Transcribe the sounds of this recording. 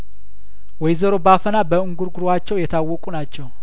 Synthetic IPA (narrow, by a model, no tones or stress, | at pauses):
wɔjzəɾo̞bafənabəɨŋɡuɾɡuɾowat͡ʃːɛwjɛt̪ʰawːɔkʼunat͡ʃːɛw